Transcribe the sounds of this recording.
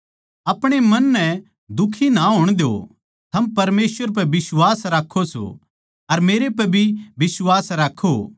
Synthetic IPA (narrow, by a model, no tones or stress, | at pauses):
ɐpɽ̃emɐnːɛ̃ | d̪ʊkʰːinaɦoːɽ̃d̪eo̰ | t̪ʰɐmpɐɾmeːsʋəɾp̬ɐbɪswaːsɾaːkʰːoso̰ | ɐɾmeːɾepɐbʱibɪswaːsɾaːkʰːo